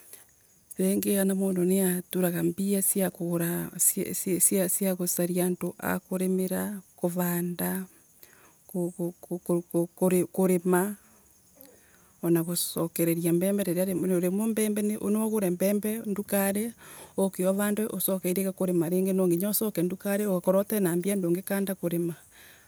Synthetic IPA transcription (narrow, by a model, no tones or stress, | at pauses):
ɾeŋɡeanamoːndoneatuɾaɣambiasjakoɣoɾasssjasjaɣosaɾiantoʔa̰koɾemeɾakoβaːnda | kokkkoɾekoɾema | ɔnaɣosɔkɛɾɛɾiambɛːmbɛɾeɾeaɾenoɾemombɛːmbɛneʔo̰nɔɣoɾɛmbɛːmbɛndukaɾeokeɔβaːndaʔosɔkɛiɾekakoɾemaɾeːŋɡenɔŋɡeɲɔsɔkɛndukaɾeoɣakɔɾɔtɛnaːmbiandoːŋɡekaːndakoɾema